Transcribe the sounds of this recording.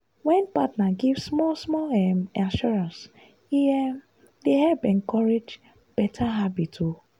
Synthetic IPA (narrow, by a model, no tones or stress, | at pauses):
wɛ̃npatnaɡivssmɔsmɔlɛmanʃuɹãns | iɛm | deɦɛbɛ̃ŋkɔɹed͡ʒ | b̥ɛtʰaɦabitʰo